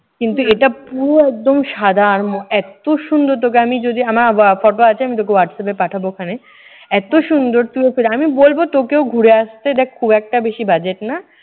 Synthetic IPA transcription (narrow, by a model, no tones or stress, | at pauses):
kint̪ueʈapuɾoɛk̚d̪omʃad̪ʱaɾmoɛt̪oʃund̪oɾt̪ok̬eamid͡ʑod̪iamaɾfɔʈoat͡ɕʰeamit̪̬okewaʈsɛp̬epaʈʰabokʰane | ɛt̪oʃund̪oɾt̪uefeleamibolbot̪okeoɡʱuɾeaʃt̪ed̪ɛkʰo̥kʰubɛk̚ʈabeʃibad͡ʑeʈna